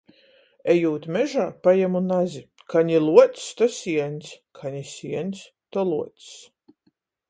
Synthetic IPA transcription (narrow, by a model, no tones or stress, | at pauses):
ɛjuːt̪mɛʒaːpajamunazʲi | kʰaɲilˠuɔt̪st̪ɔsʲiɛnʲsʲkʰaɲisʲiɛnʲs | t̪ɔlˠuɔt̪s